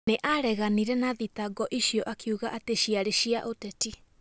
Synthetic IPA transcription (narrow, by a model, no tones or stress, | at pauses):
neʔaɾɛɣaniɾɛnaðitaɡɔʔiɕiɔʔakʰiuɣaʔateɕiaɾeɕiaʔotɛti